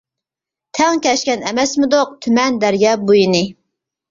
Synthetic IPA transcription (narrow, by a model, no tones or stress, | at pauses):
t̪ʰɛŋkʲɛʃkʲɛnɛmɛsmɪd̪oq̚t̪ʰymɛnd̪æɾjɑːbujinɪ